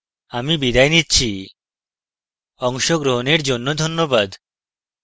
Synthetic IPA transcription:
amibid̪ajnitːt͡ɕʰi | ɔŋʃoɡɾoɦoneɾd͡ʑonːod̪ʱonːobad̪

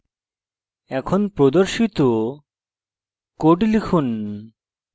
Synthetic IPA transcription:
ɛkʰonpɾod̪oɾʃit̪o | koʈlikʰun

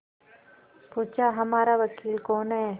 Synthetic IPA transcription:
puːt͡ʃaɦɐmaːɾaʋɐkiːlkɔːnɦɛː

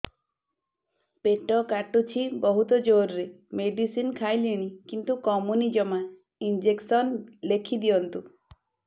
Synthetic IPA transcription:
peʈɔkaʈut͡ʃʰibɔɦut̪ɔd͡ʒoɾɾe | meɖisinkʰajliɽ̃ikint̪ukɔmunid͡ʒɔma | ind͡ʒeksɔnlekʰid̪ijɔnt̪u

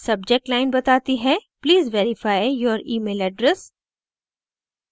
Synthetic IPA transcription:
sɐbd͡ʒɛk̚ʈlaɪnbɐt̪aːt̪iɦɛpliːzʋeːɾɪfaːɪjɔːɾiːmeːlɛɖɾɛs

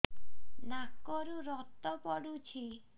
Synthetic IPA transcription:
nakɔɾuɾɔt̪ɔpɔɽut͡ʃʰi

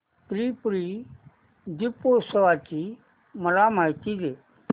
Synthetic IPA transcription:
pɾiːpɾi | d̪ɪpoːsəʋaːt͡ʃi | məlaːmaːjt̪ideː

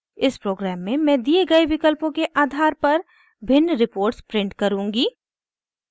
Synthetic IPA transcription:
ɪspɾoːɡɾɛːmːẽmɛ̃ːd̪ieɡɐeʋɪkəlpõkeʔaːd̪ʱaːɾpɐɾ | bʱɪnːɾɪpoːɾʈspɾɪ̃ɳʈkɐɾũːŋɡiː

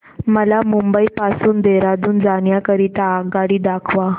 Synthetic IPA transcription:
məlamumbəipasuːnd̪eɾad͡z̪uːnd͡zaɳjakəɾit̪aːɡaɽiːd̪akʰʋa

